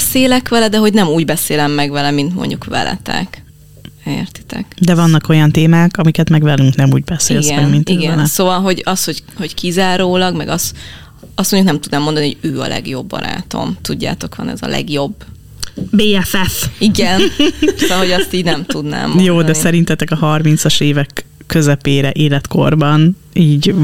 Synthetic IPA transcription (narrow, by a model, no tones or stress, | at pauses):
ɛseːlɛkʋɛlɛd̪ɛɦoɟnɛmuːɟbɛseːlɛmːɛɡvɛlɛmint̪mo̰ɲɟukʋɛ̰lɛ̰t̪ɛ̰k | ert̪i̥t̪ɛ̰kd̪ɛvɒnːɒko̞jɒnt̪eːmaːkɒmikɛt̪mɛɡvɛlyŋknɛmṵːɟ̚bɛseːliɡɛɛmint̪iɡɛnlsoːvɒlɦo̞ɟɒsho̞c | ho̞ckizaːɾoːlɒɡmɛɡɒs | ɒst̪moɲɟuknɛmt̪ud̪naːmːond̪ɒnihoɟøːɒ̰lɛ̰ɡjo̞bːɒ̰ɾa̰ːt̪o̞̰mt̪uɟːa̰ːt̪o̞kʋɒ̰nɛ̰zɒ̰lɛ̰ɡjo̞bː | beːɛfɛfiɡɛnsvɒlɦo̞ɟɒsst̪iːɟnɛmt̪ud̪na̰ːmjoːd̪ɛsɛɾint̪ɛt̪ɛkɒɦɒrmint̪sɒʃeːvɛkː | øzɛpeːɾɛʔeːlɛt̪ko̞rbɒn | iːɟ